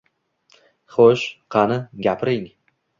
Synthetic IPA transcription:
χoʃqʰɑnɪɡʲapʰɾɪŋ

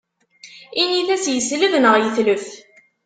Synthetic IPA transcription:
iniθæsjəsləvnəʁjəθləf

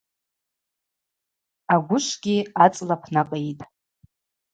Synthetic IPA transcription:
aɡʷʊʃʷɡʲiat͡sʼlapʰnakʼejtʼ

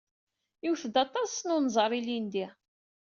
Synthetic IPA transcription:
juwθd̪ɑt̪ˤɑsnʊnzˤəɾˤilind̪i

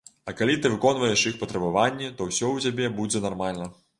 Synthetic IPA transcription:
ɐkalʲit̪ɨvɨkɔnvɐjɛʂjixpɐt̪ɾɐbavanʲːɛt̪ɔwsʲɔwt͡sʲabʲɛbud͡zʲɛnarmalʲnɐ

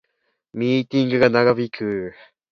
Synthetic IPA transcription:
mʲiːt̪ʲĩŋɡɯ̟ɡanaɡaβikʰɯ

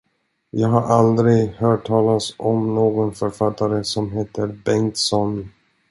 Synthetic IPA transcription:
jɑːɡɦaɾʔald̪ɾɪɡhœːʈʰːɑːlasɔmnoːɡɔnfœɾfat̪ːaɾəsɔmɦeːt̪ʰəɾbɛŋt̪sɔn

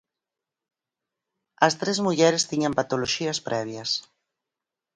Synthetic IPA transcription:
ɐst̪ɾezmuʎɛɾest̪iɲampat̪oloʃiɐspɾʔɛβ̞jɐs

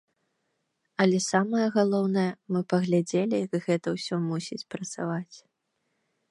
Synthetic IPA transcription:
ɐlʲɛsamɐjɐɣalˠɔwnɐjɐmɨpɐɣlʲad͡zʲelʲijɐɡɣɛt̪ɐwsʲɔmusʲit͡sʲpɾɐt̪sa̰vat͡sʲ

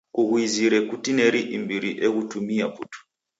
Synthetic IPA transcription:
kuɣwiziɾɛkutineɾiʔimbiɾiʔeɣutʰumiapʰṵtʰu̥

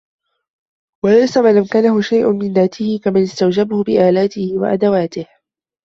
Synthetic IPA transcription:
walajsamalamkaːnahʊʃajʔʊmɪnðaːt̪ʰɪhɪkamanɪst̪awd͡ʒabahʊbɪʔaːlaːt̪ɪhɪwa̰ʔa̰d̪awaːt̪ɪh

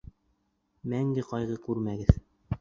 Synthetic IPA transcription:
mæŋɡɘqɑjʁɤkʉɾmæɡɘð

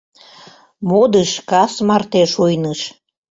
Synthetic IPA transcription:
mod̪əʃkɑsmɑrt̪eʃojnəʃ

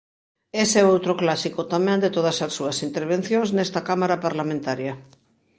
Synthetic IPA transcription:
esɛowt̪ɾʊklasikʊt̪amɛ̃nd̪et̪oðɐsɐsːuɐsint̪eɾβ̞ẽn̟θjoŋsnɛst̪ɐkamaɾapaɾlamẽnt̪aɾjɐ

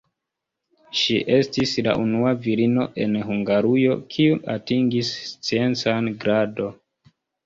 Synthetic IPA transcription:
ʃiʔe̞stisla̰ʔunuaviɾino̞̰ʔe̞nhuŋɡaɾujo̞kʰiuatiŋɡist͡sie̞nt͡sanɡɾado̞

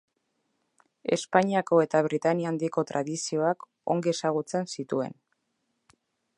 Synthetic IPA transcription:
e̞̰spaɲiako̞e̞t̪aβɾit̪aniand̪iko̞t̪ɾʔaðisio̞ak | o̞̰ŋɡiesaɣ̞ut͡se̞nsit̪ue̞̰n

